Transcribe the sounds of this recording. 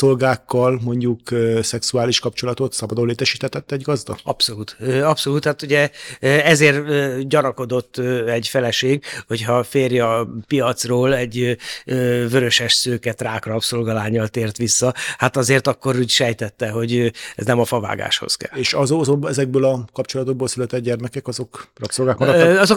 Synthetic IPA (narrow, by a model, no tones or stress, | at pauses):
solɡaːkːɒlmo̞ɲɟukøsɛksuaːliʃkɒpt͡ʃolɒt̪o̞t̪sɒbɒd̪olːeːt̪ɛʃiːt̪ɛt̪ɛt̪ːɛɟɡɒzd̪ɒ̰ɒpso̞luːt̪øɒpso̞luːt̪hat̪uɟɛɛzeːrɟɒnɒko̞d̪o̞t̪ːɛɟfɛlɛʃeːɡho̞chɒfeːrjɒpijɒt̪sroːlɛɟøːvøɾø̞ʃɛʃsøːkɛt̪raːkrɒpsolɡɒlaːɲːɒlt̪eːrt̪ʋisːɒhat̪ɒzeːrt̪ɒkːo̞ɾuːɟʃɛjt̪ɛt̪ːɛɦo̞ɟøɛ̰znɛmɒfɒva̰ːɡa̰ːʃho̞̰skɛ̰leːʃɒzozobɛzɛɡ̚bøːlɒkɒpt͡ʃo̞lɒt̪oɡ̚boːlsylɛt̪ɛd̪̚ɟɛrmɛkɛkɒzo̞krɒpsolɡaːkmɒɾɔt̪ːɒzo